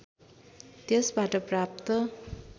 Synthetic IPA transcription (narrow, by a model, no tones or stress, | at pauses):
t̪esbaʈʌprap̚t̪ʌ